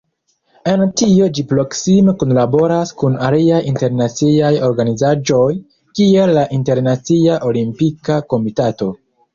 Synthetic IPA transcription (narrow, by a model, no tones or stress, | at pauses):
e̞ntio̞d͡ʒipɾo̞ksimekunlabo̞ɾaskunaliajinte̞ɾnat͡siajo̞ɾɡanizad͡ʒo̞j | kie̞lːaʔinte̞ɾnat͡siaʔo̞limpikako̞mitato̞